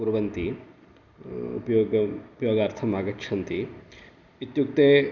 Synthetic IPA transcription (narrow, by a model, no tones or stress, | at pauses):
uɾʋɐnt̪i | ṵpɐjoːɡɐupɐjoːɡɐːɾt̪ʰɐmaːɡɐkʃʰɐnt̪i | it̪juk̚t̪eː